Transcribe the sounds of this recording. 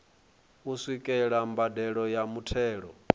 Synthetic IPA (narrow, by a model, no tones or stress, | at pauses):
uswikʼɛɺambadɛɺɔjamutʰɛːɺɔ